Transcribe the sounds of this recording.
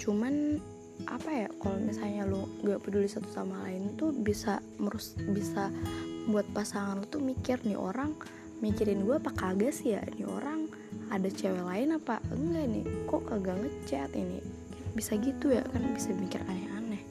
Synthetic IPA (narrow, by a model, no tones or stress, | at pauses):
t͡ʃuman | ʔa̰pajakalomisalɲaloŋɡaʔpədulɪsat̪u̥t̪amalaɪnt̪ubisaməɾusbisabuat̪̚pasaŋanlot̪umikɪrnɪʔo̰ɾaŋ | mikiɾɪnɡuapakaɡasija̰nio̰ɾaŋ | adat͡ʃɛwɛlaɪnapaəŋɡanɪ̰kokaɡaŋət͡ʃːɛt̪inɪ̰kabisaɡit̪uja̰karnabisadimikɪ̰rkanaʔanɛ